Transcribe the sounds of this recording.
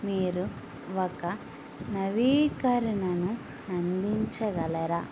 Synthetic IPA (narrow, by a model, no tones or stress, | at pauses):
miːɾu | ɔkɐ | nɐʋiːkɐɾinɐnu | ɐnd̪iɲt͡ʃɐɡɐlɐɾɐ